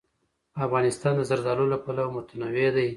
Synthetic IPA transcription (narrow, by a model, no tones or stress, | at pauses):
afɣɑnɪst̪ɑnd̪əzaɾd̪ɑlolapalawmʊt̪anɑwed̪aj